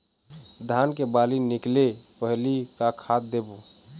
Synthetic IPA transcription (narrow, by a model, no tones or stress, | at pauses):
d̪ʱankebalinɪklepəɦlikakʰat̪̚d̪ebu